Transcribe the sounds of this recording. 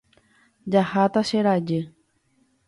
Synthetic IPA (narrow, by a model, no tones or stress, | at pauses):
d͡ʒahat̪aʃeɾad͡ʒe